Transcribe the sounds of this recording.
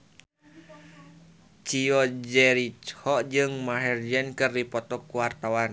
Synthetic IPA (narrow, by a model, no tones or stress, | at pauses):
t͡ʃiɔd͡ʒɛɾit͡ʃhɔd͡ʒɨŋmaɦɛrd͡ʒɛnkɨrdipɔt̪ɔkuwart̪awan